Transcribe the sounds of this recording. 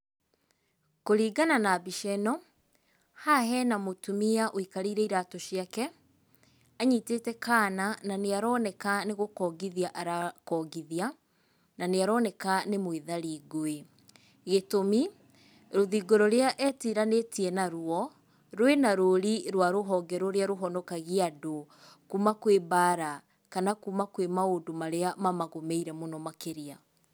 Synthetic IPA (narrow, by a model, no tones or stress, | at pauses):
koɾiːɡananabiʃɛnɔ | haɦɛnamotumiaʔoikaɾiɾɛiɾatoʃiakɛ | aɲiteːtɛkanananeaɾɔːnɛkaneɣokɔːɡiðiaʔaɾakɔɡiðia | naneaɾɔːnɛkanemwiðaɾiɡoe | ɣetomi | ɾoðiɡoɾɔɾeaʔɛtiɾanetiɛnaɾwɔ | ɾwenaɾoɾiɾwaɾoɦɔɡɛɾɔɾeaɾoɦɔnɔkaɣiado | kuːmakwebaːɾa | kanakuːmakwemaodomaɾeamamaɣomɛiɾɛmonɔmakeɾia